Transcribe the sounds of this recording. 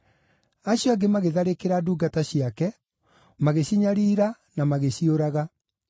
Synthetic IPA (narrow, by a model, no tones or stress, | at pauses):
aɕjɔaɡemaɣeðaɾekeɾaduːɡataɕiakɛ | maɣeɕiɲaɾiːɾa | namaɣeɕioɾaɣa